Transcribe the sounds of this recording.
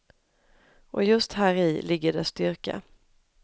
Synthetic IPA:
ʔɔjɵst̪hæːɾɪːlɪɡːəɖɛst̪ʏɾka̰

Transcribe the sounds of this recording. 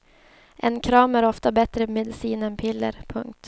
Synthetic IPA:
ʔɛnkʰɾɑːmæɾɔft̪abɛt̪ɾəmɛd̪ɪsiːnɛnpʰɪlːə̰ɾpʰɵ̰ŋk̚t̪

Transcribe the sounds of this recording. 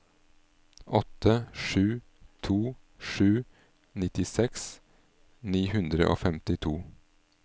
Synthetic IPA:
ʔɔt̪ʰːəʂʉː | t̪ʰuː | ʂʉː | nɪt̪ɪsɛks | niːhʉnd̪ɾəʔo̰ːfɛmt̪ɪt̪ʰuː

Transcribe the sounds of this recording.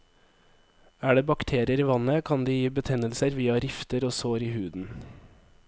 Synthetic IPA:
æːɖeːbɑkt̪ʰeːɾɪəɾiːʋɑnəkʰɑnd̪iːjiːbət̪ʰɛnəlsəɾʋiːɑɾɪft̪əɾoːsoːɾiːhʉːd̪n̩

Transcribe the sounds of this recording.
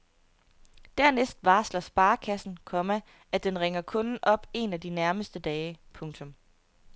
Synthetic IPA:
d̥æɐnesd̥ʋɑ̈ːslɐsb̥ɑ̈ːkʰæsn̩kʰɒ̽mæ | ʔæd̥enʁeŋɐkʰɔ̽nn̩ʔɒ̽b̥e̝næd̥inæɐməsd̥əd̥ɛːɪpʰɔ̽ŋt͡sʰɔ̽m

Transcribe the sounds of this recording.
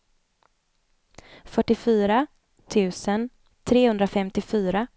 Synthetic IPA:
fœʈːɪfyːɾa | t̪ʰʉ̟ːsən | t̪ʰɾeːhɵnd̪ɾafɛmt̪ɪfyːɾa

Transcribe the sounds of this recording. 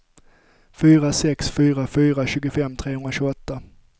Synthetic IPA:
fyːɾasɛksfyːɾafyːɾaɕʉːɡʊfɛmːt̪ʰɾeːhɵnɾaɕʉːɔt̪ːa

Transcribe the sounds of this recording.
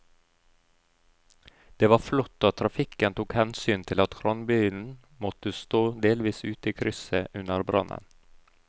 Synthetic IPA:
d̪̥eːʋɑɾflɔt̪ːoːt̪ʰɾɑfɪkənt̪uːkhɛnsyːnt̪ʰɪlɑt̪kɾɔnbʏːnn | mɔt̪ːəst̪oːd̪eːlʋiːsʉːt̪əiːkʰɾʏsəʔʉnːəɾbɾɑ̰nːə̰n

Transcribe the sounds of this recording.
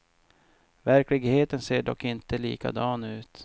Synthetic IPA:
væɾklɪɡheːt̪ənseːɖɔkːɪnt̪əlḭːka̰d̪ɑːnʉ̟ːt̪

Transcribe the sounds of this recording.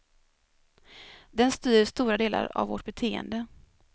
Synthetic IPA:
d̪ɛnst̪yːɾəʂt̪uːɾad̪eːla̰ɾa̰vːɔʈ̚bɛt̪ʰeːə̰nd̪ə

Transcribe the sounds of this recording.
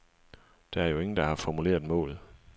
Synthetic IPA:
d̥ɑ̈æɐjo̝e̝ŋn̩d̥ɑ̈hɑ̈fɒmule̝̰ːɐð̩ˠmɔ̰̽ːlð̩ˠ

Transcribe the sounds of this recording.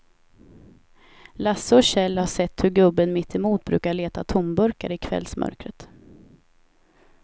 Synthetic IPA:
lasːəɔɕɛlːhaʂɛt̪ːhɵɾɡɵbːənmɪt̪ʰːɪmuːt̪̚bɾʉ̟ːkaɭeːt̪at̪ʰʊmbɵɾkaɾɪkʰvɛ̰lsmʔœ̰ɾkɾət̪

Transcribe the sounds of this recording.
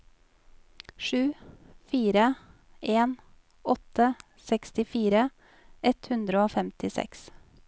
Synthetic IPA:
ʃʉːfiːɾə | eːn | ɔt̪ə | sɛkst̪ɪfiːɾə | ɛt̪hʉnd̪ɾəoːfɛmt̪ʰɪsɛ̰ks

